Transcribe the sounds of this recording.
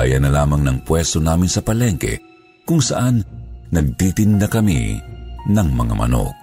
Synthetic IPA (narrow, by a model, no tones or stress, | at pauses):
ajɐnɐlaːmɐŋnɐŋpwɛst̪onaːmɪnsɐpɐlɛŋkɛ̰ | kʊŋsɐ̰ʔanːɐɡ̚t̪iːt̪ɪnd̪ɐkɐmḭnɐŋmɐŋa̰mʔɐ̰no̰k̚